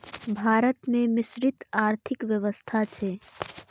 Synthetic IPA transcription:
bʱaːɾət̪mẽmɪsɾɪt̪aːɾt̪ʰɪkʋjəʋəst̪ʰat͡ʃʰɛ

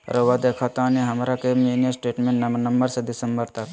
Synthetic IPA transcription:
ɾʔoʋad̪ekʰat̪aniɦɐmɾakemeːnjəsʈeːʈmẽɳʈnɐmnəmbəɾsed̪ɪsəmbəɾt̪ɐk

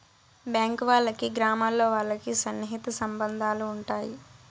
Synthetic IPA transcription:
bjaːŋkʋaːɭːɐkiɡɾaːmaːlːo̞ːʋaːɭːɐkisɐnːiɦit̪ɐsɐmbɐnd̪ʱaːluːɳʈaːji

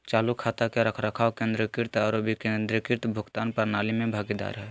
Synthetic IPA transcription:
t͡ʃaːlukʰaːt̪akeɾəkʰɾəkʰaːkẽnd̪ɾəkɪɾt̪aːɾobʱikend̪ɾəkɪɾt̪bʱʊɡt̪aːnpəɾnaːlimẽbʱaːɡid̪a̰ːɾɦɛ

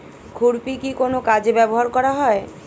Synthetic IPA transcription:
kʰuɾpikikonokad͡ʑebɛboɦaɾkɔɾaɦɔe

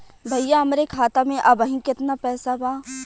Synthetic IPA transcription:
bʱɐjjaɦɐmɾekʰaːt̪amẽʔɐbəɦĩkɪt̪napɛːsabaː

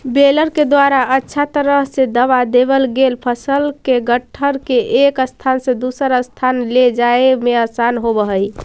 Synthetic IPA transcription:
beləɾked̪waɾaʔətːʃʰat̪əɾəɦsed̪əβad̪ebəlɡelpʰəsəlkeɡəʈʰːəɾkeʔekəst̪ʰansẽd̪usəɾəst̪ʰanled͡ʒaemeəsanɦobəɦəj

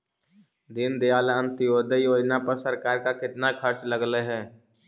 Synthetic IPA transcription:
d̪ɪnd̪ejaːlənt̪ɪjoːd̪əjoːd͡ʒnapəɾsəɾkaːɾkakɪt̪nakʰəɾt͡ʃləɡleɦɛ̃ː

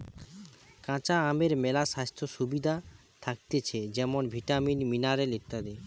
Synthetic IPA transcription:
kãt͡ɕaameɾmɛlaʃast̪ʰɾoʃubid̪ʱa | t̪ʰak̚t̪et͡ɕʰed͡ʑɛmonbʱiʈaminminaɾelet̪ːad̪e

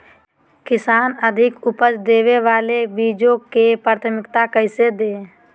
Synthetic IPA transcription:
kɪsaːnəd̪ʱɪkʊpət͡ʃd̪eːweʋaːlebiːd͡ʒõkepaːɾt̪ʰəmɪkt̪akəɪsed̪eː

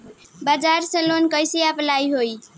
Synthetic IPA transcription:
bad͡ʒaɾsə̃lonkəjsiaplajɦoj

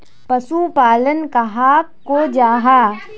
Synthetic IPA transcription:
pɐʃupaːlənkaɦaːkkod͡ʒaːɦaː

